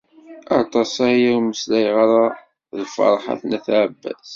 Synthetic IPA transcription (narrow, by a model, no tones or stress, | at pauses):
ɑɾˤt̪ˤɑsæjawməslæjʁaɾa | lfɑ̰ɾˤħa̰θnæθʕəbːæ̰z